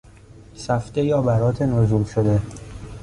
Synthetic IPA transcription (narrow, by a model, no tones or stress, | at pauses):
sæfd̪ejɒːbæɾɒːt̪ʰenozuːlʃod̪e̞